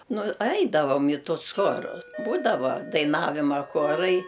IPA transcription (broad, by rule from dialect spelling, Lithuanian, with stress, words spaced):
nʊ ˈɐɪdɐʋoːm ɪ ˈtʊs ˈxoːrʊ ˈbuːdɐʋoː dɐɪˈnɑːʋʲɪmɐ ˈxoːrɐɪ